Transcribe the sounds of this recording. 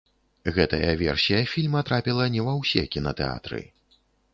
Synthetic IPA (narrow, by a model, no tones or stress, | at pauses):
ɣɛt̪ɐjɐvʲɛ̰rsʲijɐfʲilʲmɐt̪ɾapʲilˠɐnʲɛvɐwsʲɛkʲinɐt̪ɛ̰a̰t̪ɾɨ̰